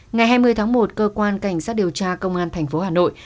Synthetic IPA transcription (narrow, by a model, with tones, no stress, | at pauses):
ŋa˨˩jɦaː˧jmɨ˧əjt̪ʰːŋmo˨˩t̚kəː˧kwaː˧nka˧˩jŋ̟saː˦˥t̚ɗi˨˩əwt͡ɕaː˧kə˧wŋ͡mʔaː˧nt̪ʰɛ˨˩jŋ̟fo˨˦haː˨˩no̰˧˨j